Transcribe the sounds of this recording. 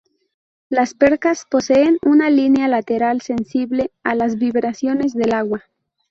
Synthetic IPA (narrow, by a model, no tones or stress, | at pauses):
laspe̞ɾkaspo̞seːnunalinjalat̪e̞ɾalse̞nsiβle̞alazβiβɾasjo̞ne̞zðe̞laɣwa